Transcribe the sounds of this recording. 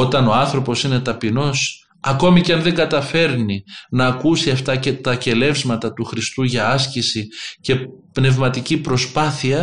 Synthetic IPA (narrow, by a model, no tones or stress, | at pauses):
o̞t̪ɐno̞ɐnθɾo̞po̞sine̞t̪ɐpino̞s | ɐko̞miceɐnðe̞ŋɡɐt̪ɐfe̞ɾninɐːkusiɐft̪ɐce̞t̪ɐce̞le̞vzmɐt̪ɐt̪uxɾist̪uʝɐɐscisice̞pne̞vmɐt̪icipɾo̞spɐθiɐ